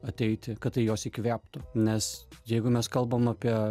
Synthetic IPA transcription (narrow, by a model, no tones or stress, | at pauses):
ɐt̪ʲɛɪt̪ʲɪkɐt̪t̪ːɐɪjoːsɪkʋʲæːpt̪ʊnʲɛsjɛɪɡʊmʲɛskɐlˠbɐmɑːpʲiɛ